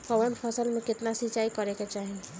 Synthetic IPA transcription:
kɔʋəɳpʰəsəlmẽkɪt̪nasit͡ʃaːikəɾeket͡ʃaːɦi

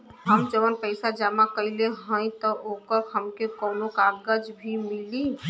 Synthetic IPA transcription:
ɦəmd͡ʒəʋənpəɪsad͡ʒaːmakəileɦə̃ĩt̪ɔʔoːkəɾhəmkekɔːnõkaɡəd͡ʒbʱimɪli

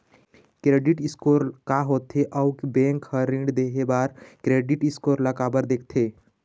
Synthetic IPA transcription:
kɾeɖiʈiskoɾkaɦot̪ʰeʔəwkbẽŋkhəɾĩɳɖd̪eɦebaːɾkɾeɖiʈiskoɾləkabəɾd̪ek̚ʰt̪ʰe

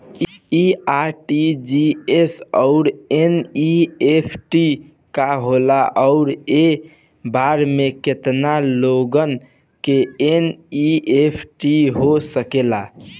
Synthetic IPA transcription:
iaʈid͡ʒiesəʊɾeniepʰʈi | kaɦolaʔɔʊɾe | baɾmeket̪naloɡən | keeniepʰʈiɦosəkela

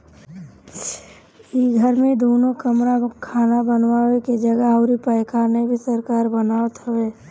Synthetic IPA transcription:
iɡʱəɾmẽd̪oːnokəmɾakʰaːnabənwaweked͡ʒəɡəəʊɾipəjkʰanebʱisəɾkaːɾbənaːət̪ɦəweː

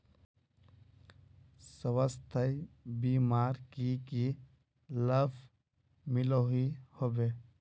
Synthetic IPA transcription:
səʋəst̪ʰəjbiːmaːɾkiki | ləb | mɪloɦihobeː

